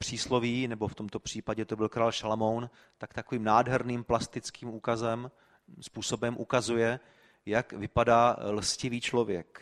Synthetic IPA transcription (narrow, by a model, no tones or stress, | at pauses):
pr̥iːslo̞viːnɛbo̞ft̪o̞mt̪o̞pr̥iːpaɟɛt̪o̞bɪlkɾaːlʃalmo̞wn | t̪akt̪akoviːmnaːdɦɛɾniːmplast̪ɪt͡skiːmuːkazɛm | spuːso̞bɛmʔukazujɛ | jakvɪpadaːlscɪviːt͡ʃlo̞vjɛk